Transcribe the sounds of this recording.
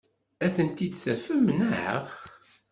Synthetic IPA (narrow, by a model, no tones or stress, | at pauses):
æθənt̪id̪θæfəmnaʕə̰ʁ